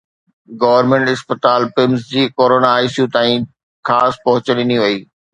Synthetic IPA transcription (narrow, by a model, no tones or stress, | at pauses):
ɡɐːʋəɾmẽɳʈɪspət̪aːlpɪmsd͡ʑiːkoːɾoːnaːisjut̪aːĩ | xʰaːspɐɦʊt͡ɕənɪniʋɐiː